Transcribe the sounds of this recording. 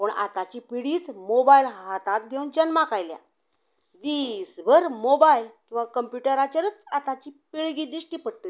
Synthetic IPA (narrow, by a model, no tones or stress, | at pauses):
pəɳʔa̰t̪at͡ɕiːpiɽiːt͡smobailɦat̪at̪ɡʱeund͡ʑənmakajlja̰ | d̪isbʱəɾmobajilkĩw̃ʋakəmpjuʈəɾat͡ɕaɾət͡sat̪at͡ɕiːpiɭɡid̪iʂʈiːpəɽt̪u